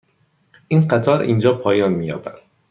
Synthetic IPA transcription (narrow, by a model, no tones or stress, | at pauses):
ʔinɢæt̪ʰɒːɾḭːnd͡ʒɒːpʰɒːjɒːnmiːjɒ̰ːbæ̰d̪̥